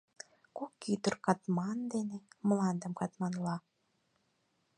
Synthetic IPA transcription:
kokit̪ərkɑt̪mɑnd̪enemlɑnd̪əmkɑt̪mɑnlɑ

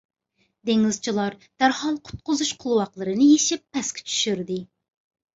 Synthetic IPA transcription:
d̪eŋɪzt͡ʃʰilˠɑɾd̪̥æɾhɑlˠqʰʊ̥t̪̚qʊzuʃqʰolˠwɑqlˠəɾɨnɨjeʃɪpːɛskʲʰɪ̥t͡ʃʰy̥ʃyɾd̪ɪ

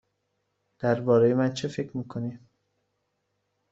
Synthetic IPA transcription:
d̪̥æɾbɒːɾejemænt͡ʃʰefe̞cʰɾmiːkʰoni

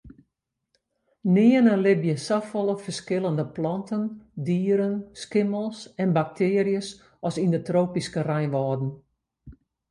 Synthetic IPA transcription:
nɪənəlɪbjəsafɔlˠəfərskɪlˠəndəplɔntʰəndiːɾənskɪməlˠsɛnbak̚tʰeɪːəɾijəs | ɔsindətroːpiskərɛjnʋɔːdn̩

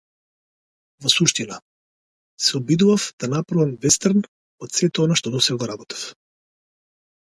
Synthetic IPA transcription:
vɔsuʃt̪ina | sɛɔbid̪uvafd̪̥anapɾavamvɛst̪əɾn | ɔt̪sɛt̪ɛɔnaʃt̪ɔd̪ɔsɛɡaɡɔɾabɔt̪ḁf

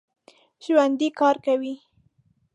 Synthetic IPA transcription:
ʒ̥wand̪ikɑɾkawi

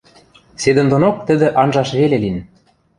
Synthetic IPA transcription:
sed̪ə̆nd̪onok̚t̪ə̆d̪ĕʔɑnʒɑʃβelelin

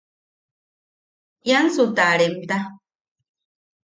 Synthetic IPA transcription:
jansut̪aɾemt̪a

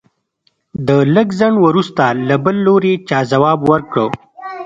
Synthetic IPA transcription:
d̪ələɡzəɳwəɾust̪alabəlːoɾet͡ʃɑːzawɑːbwəɾkɽə

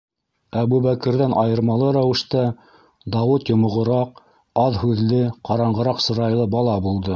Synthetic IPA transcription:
æβuβækɘ̆ɾðænʔɑjɤ̆ɾmɑlˠɤɾæwɘ̆ʃt̪æ | d̪ɑwɤt̪jŏmŏʁɤ̆ɾɑq | ɑðhʉðlɘqɑɾɑɴɢɤ̆ɾɑqsɤ̆ɾɑjlˠɤbɑlˠɑbulˠd̪ɤ

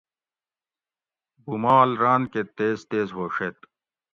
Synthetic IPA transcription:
bumaːlɾaːnket̪eːzt̪eːzɦoːʂet̪

